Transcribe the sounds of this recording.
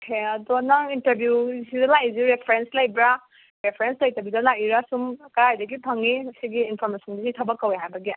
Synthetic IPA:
kʰeɐdɔnaŋintɐɾbjuzidalajzuɾepʰɾenslajbɾa | ɾepʰɾenslajtabjudalajiɾasumkɐɾajdaɡipʰaŋːiɐsiɡiːnpʰɔɾmesɔndisitʰabakːaweɦajbɐɡi

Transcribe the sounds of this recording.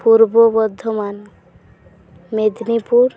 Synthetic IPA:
puɾbobɔd̪ʱːɔman | med̪nipuɾ

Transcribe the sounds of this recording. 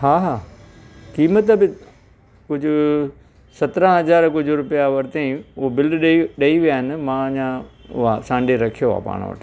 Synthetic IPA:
haːɦaː | kiːmət̪bɪ | kʊd͡ʑʱʊ | sɐt̪ɾə̃ɦɐzaːɾkʊd͡ʑʱʊɾʊpijaʋɐɾt̪eĩʊbɪlɖɗɗɐiʋijaːɦɪnɪ̆mãɲãʊ̰ɦasãːɳɖeɾɐkʰijoɦa̰ːpa̰ːɽ̃ʋə̰ʈʰ

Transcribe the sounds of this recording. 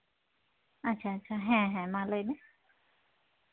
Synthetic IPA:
at͡ɕʰaːt͡ɕʰaɦɛ̃ɦɛ̃mãləne

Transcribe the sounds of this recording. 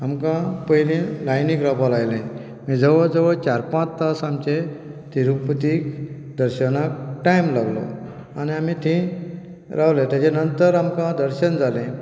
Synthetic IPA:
amkãpəjlẽlajnikɾapalajlẽ | mid͡zʱəʋəd͡zəʋət͡ɕaɾpãt͡st̪asamt͡ɕet̪iɾukpət̪ik | d̪əɾɕənakʈajmlaɡlɔ̰ | aniamit̪ʰĩ | ɾawlẽt̪jat͡ɕenənt̪əɾamkãd̪əɾɕənd͡zʱalẽ

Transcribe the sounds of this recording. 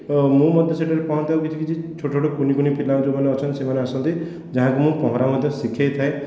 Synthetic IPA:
mũmɔd̪ʱjɔsʰeʈɔɾepɔɦɔnt̪ʰawkit̪ʰikit͡ʃit͡ʃʰoʈt͡ʃʰoʈokunikunipʰilːãd͡ʒomaneɔt͡ʃʰɔnt̪isemaneasɔnt̪i | d͡ʒaɦãkumũpɔɦɔɾamɔd̪ʱjɔsikʰjajt̪ʰae

